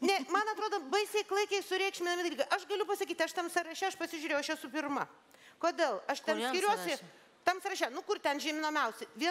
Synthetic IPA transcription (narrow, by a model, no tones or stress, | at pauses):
nʲɛmɐnɐt̪ɾoːd̪oːbɐɪsʲeɪklˠɐɪkʲɛɪsʊɾʲɛɪkʃʲmʲɪnɐmʲɪd̪ɐlʲiːɡɐʔɐʃɡɐlʲʊpɐsɐkʲiːt̪ʲɐʃt̪ɐmsɐɾɐʃʲɛɐʃpɐsʲɪʒʲuʊɾʲejʊɐʃjɛsʊp̬ʲɪrmɐ | koːd̪ʲeːlˠɐʃt̪ʲɛnnskʲɪɾʲuɔsʲɛ | t̪ɐmsɐɾɐʃʲɛnʊkʊrt̪ʲɛnʒʲimʲɪnoːmʲɛʊsʲɛʋʲiɛ